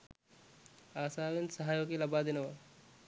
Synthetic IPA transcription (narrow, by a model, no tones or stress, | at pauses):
aːsaːʋensɐɦaːjokelɐbaːd̪ɪnɐʋɐ